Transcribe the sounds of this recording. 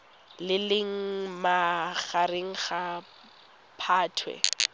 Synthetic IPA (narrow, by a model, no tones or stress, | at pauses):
lɪlɪŋ̩maχaɾeŋ̩χa | pʰaːtʰwɛ̰